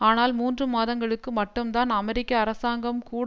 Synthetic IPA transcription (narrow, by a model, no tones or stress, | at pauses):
aːnaːlmuːndrɯmaːðɐŋɡɐɭɯkːɯmɐʈːɯmt̪aːnɐmɛɾɪkːɐːɾɐsaːŋɡɐmkuːɽ